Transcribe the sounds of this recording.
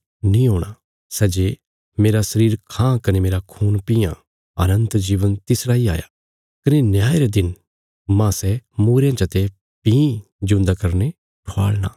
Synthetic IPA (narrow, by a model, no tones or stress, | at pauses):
nĩɦoːɽ̃a | sɛːd͡ʒe | meːɾasɐɾiːɾkʰãːkɐnemeːɾakʰuːnpĩːã̰ | ɐnə̃nt̪d͡ʒiːʋənt̪ɪsɾaːia̰ːja̰ | kɐnenjaːeɾed̪ɪn | mãsɛmuːɾejãt͡ʃɐt̪e | pĩːĩ | d͡ʒʊ̃nd̪akɐɾne | ʈʰoa̰ːɭna̰